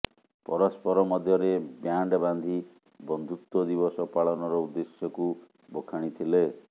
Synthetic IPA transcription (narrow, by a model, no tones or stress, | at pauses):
pɔɾɔspɔɾɔmɔd̪ʱjɔɾebjaɳɖband̪ʱi | bɔnd̪ʱut̪wɔd̪iβɔsɔpaɭɔnɔɾɔud̪ːesjɔku | bokʰaɽ̃it̪ʰile